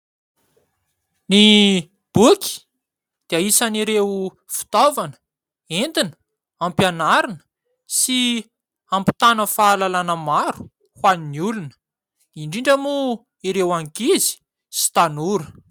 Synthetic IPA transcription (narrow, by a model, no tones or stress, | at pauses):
ni | b̥ukʲi̥ | d̪̥eaisaniɾew | fi̥t̪ovanə̥ | end̪inə̥ | ampjanaɾinə̥ | si | ampi̥t̪anəfaːlalanəmaɾu̥ | hwaniniulunə̥ | iɳɖ͡ʐiɳɖ͡ʐəmu | iɾewaŋkizi̥ | si̥t̪anuɾə